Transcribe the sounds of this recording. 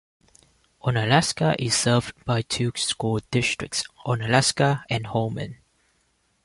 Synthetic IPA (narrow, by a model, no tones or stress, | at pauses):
ʔɔ̃nəlæskəʔɪssəvbaɪtʰuːskuldɪstɹɪ̰k̚tsʔɔ̃nəlæskəɛ̃nhomə̰̃n